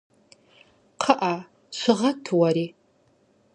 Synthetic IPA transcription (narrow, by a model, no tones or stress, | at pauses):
qʰəʔa | ʃʷɨʁatʰwaɾi